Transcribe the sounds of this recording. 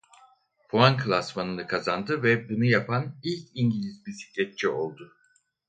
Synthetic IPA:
pʰuankʰlˠasmanɯnɯkʰazand̪ɯvɛbunujapʰanilʲcʰiɲɟilʲizbisi̥clʲɛt̪̚t͡ʃʰɛo̞lˠd̪ʊ

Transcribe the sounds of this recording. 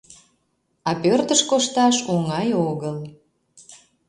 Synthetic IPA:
ɑpørt̪əʃkoʃt̪ɑʃuŋɑjoɣəl

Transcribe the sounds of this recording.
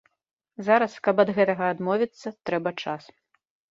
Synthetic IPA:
zaɾɐskɐpɐd̪ɣɛt̪ɐɣɐːd̪mɔvʲit̪sːɐt̪ɾɛbɐt͡ʂas

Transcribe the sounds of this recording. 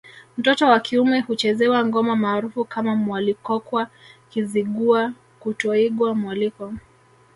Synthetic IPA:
m̩tɔtɔwakʰiumɛhut͡ʃɛzɛwaŋɡɔmamaːɾufukamamwalikɔkwakiziɠua | kutɔiɠwamwalikɔ

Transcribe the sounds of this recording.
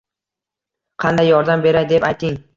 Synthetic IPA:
qʰɑnd̪ajːɒɾd̪ambe̞ɾajd̪e̞pajt̪ɪŋ

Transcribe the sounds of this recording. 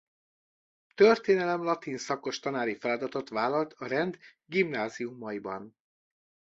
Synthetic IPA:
t̪ørt̪eːnɛlɛmlɒt̪insɒko̞ʃt̪ɒnaːɾifɛlɒd̪ɒt̪o̞t̪ʋaːlɒlt̪ʰɒɾɛnd̪ | ɡimnaːzijumːɒibɒ̰n

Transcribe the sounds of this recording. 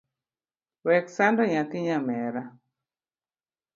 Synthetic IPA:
wɛksandɔɲakɪɲamɛɾa

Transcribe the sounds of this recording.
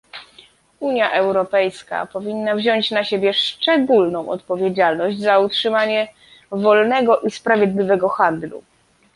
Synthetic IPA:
uɲjaʔɛwɾɔpɛjska̰pɔvʲinːavʑɔɲt͡ɕnaɕebʲjɛʂt͡ʂɛɡulnɔ̃w̃ʔɔ̰t̪̚pɔvʲjed͡ʑalnɔʑd͡ʑzautʂɘmaɲɛ | vɔlnɛɡɔʔispɾavʲjɛd̪lʲivɛɡɔxand̪lṵ

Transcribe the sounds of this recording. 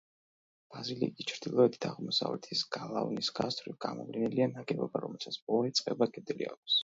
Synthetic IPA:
b̥azilikʼit͡ʃʰɾd̪ilˠɔɛd̪ʰi̥t̪ʰaʁmɔsa̰vlɛt̪ʰisɡ̥alˠavnisɡast̪ʼʰɾivɡamɔvlinɛlianaɡɛbɔbaɾɔmɛlˠsat̪sb̥ɔɔit̪sʼqʼɛbakʼɛd̪liakʷʰs

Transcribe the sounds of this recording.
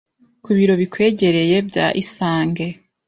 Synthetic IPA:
kuβiɾo̞βikwe̞ːɟe̞ɾe̞je̞bɟa̰ʔisaːŋɡe̞

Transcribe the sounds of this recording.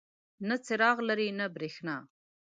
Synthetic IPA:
nat͡sɪɾɑɣlaɾinabɾexnɑ

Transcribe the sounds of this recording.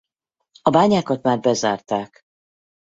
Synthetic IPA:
ɒbaːɲaːkɒt̪maːrbɛzaːrt̪aːk

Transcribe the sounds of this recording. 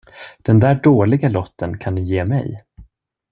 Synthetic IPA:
d̪̥ɛnd̪æːɖoːlɪɡalɔt̪ʰːənkʰanːɪjeːmɛ̰j

